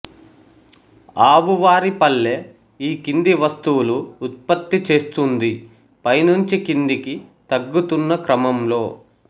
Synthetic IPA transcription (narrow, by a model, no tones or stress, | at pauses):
aːʋuʋaːɾipɐlːe̞ː | iːkind̪iʋɐst̪uwuluːt̪̚pɐt̪ːit͡ʃe̞ːst̪und̪i | pɐjnuɲt͡ʃikind̪ikit̪ɐɡːut̪unːɐkɾɐmɐmlo̞ː